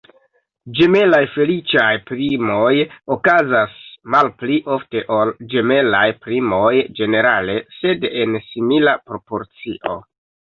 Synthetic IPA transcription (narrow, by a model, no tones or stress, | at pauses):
d͡ʒe̞me̞lajfe̞lit͡ʃajpɾimo̞jokazasmalpliʔo̞fte̞ʔo̞ld͡ʒe̞me̞lajpɾimo̞jd͡ʒe̞ne̞ɾale̞se̞de̞nsimilapɾo̞po̞ɾt͡siʔo̞̰